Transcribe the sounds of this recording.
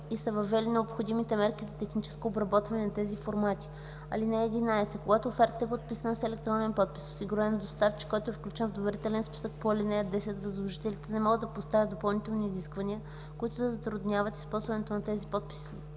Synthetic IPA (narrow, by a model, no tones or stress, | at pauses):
isɐvɐvːɛlinɛopxod̪imit̪ɛmɛɾk̟ʲizɐt̪ɛxnit͡ʃɛ̥skoːbɾɐbɔt̪vɐnɛnɐt̪ɛzifoɾmat̪ʲi̥ | ɐ̰linɛːd̪inaɛsɛkoɡat̪ʊːfɛɾt̪ɛpot̪̚pisənəsɛlɛk̚t̪ɾɔnɛnpɔt̪̚pi̥so̥siɡuɾɛnd̪ost̪aft͡ʃi̥kːɔjt̪oɛfklʲut͡ʃɛnvd̪ovɛɾit̪ɛlɛnspi̥sək̚poɐlinɛjəd̪ɛsɛt̪vɐzlˠoʒit̪ɛlit̪ɛnɛmɔɡəd̪d̪ɐpost̪avʲət̪d̪opɐlˠnit̪ɛlˠniːziskvɐniə | koit̪ʊd̪ɐzɐt̪ɾʊd̪nʲjavɐt̪i̥spɔlˠzvɐnɛt̪onɐt̪ɛzipɔt̪̚pi̥si̥